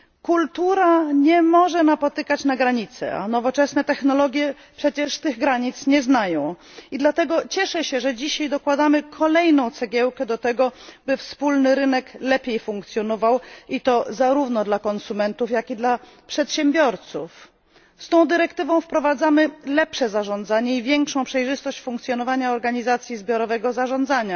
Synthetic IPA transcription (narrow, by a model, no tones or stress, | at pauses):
kult̪uɾaɲɛmɔʐɛnapɔt̪ɘkat͡ɕnaɡɾaɲit̪sɛ̰a̰nɔvɔt͡ʂɛsnɛt̪ɛxnɔlɔɡʲjɛ | pʂɛt͡ɕɛʂt̪ɘɣɡɾaɲit̪sɲɛznajɔ̃w̃id̪lat̪ɛɡɔt͡ɕɛʂɛɕɛʐɛd͡ʑiɕajd̪ɔkwad̪amɘkʰɔlɛjnɔ̃w̃t̪sɛɡʲɛwkɛd̪ɔt̪ɛɡɔbɘfspulnɘɾɘnɛklɛpʲjejfuŋkt̪sʲjɔnɔvawit̪ɔzaɾuvnɔd̪lakɔnsumɛnt̪ufjakid̪la | pʂɛt̪ɕɛmbʲjɔɾt̪sṵf | st̪ɔ̃w̃d̪ɘɾɛkt̪ɘvɔ̃w̃fpɾɔvad̪zamɘlɛpʂɛzaʐɔ̃nd̪zaɲɛivʲjɛŋkʂɔ̃w̃pʂɛjʐɘst̪ɔɕt͡ɕfũŋkt̪sʲjɔnɔvaɲaɔɾɡaɲizat̪sʲjizbʲjɔɾɔvɛɡɔzaʐɔ̃nd̪zaɲa